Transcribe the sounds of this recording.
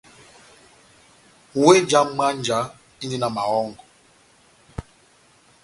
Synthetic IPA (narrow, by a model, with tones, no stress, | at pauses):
we˦d͡ʒa˦ma˦n̩˦d͡ʒa˦ | i˦ɲe˦na˨ma˨ɣɔ˦ŋ˨ɡɔ˨